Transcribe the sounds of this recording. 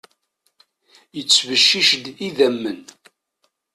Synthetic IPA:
jət͡sːvəʃːiʃd̪iðæmːən

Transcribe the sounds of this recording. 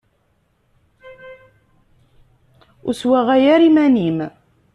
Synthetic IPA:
ʊswæʁæjæɾimænim

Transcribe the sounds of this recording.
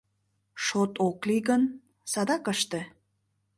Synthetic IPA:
ʃot̪okliɣən | sɑd̪ɑkəʃt̪e

